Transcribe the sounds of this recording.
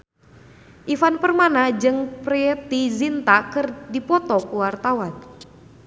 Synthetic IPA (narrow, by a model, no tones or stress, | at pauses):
ʔifanpərmanad͡ʒɨŋpɾɛt̪izint̪akɨrdipɔt̪ɔkuwart̪awan